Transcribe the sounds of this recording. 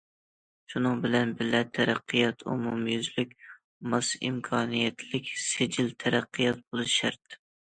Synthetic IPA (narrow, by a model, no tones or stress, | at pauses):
ʃunɨŋbɪlɛnbɪlɛt̪ʰæɾæqʰːɨjɑt̪ʰṵmumjyzlykʲ | mɑsḭmkʰɑːnijɛt̪ʰlɪkʲsɪd͡ʒɪlt̪ʰæɾæqʰːɨjɑt̪̚bolˠɨʃæɾt̪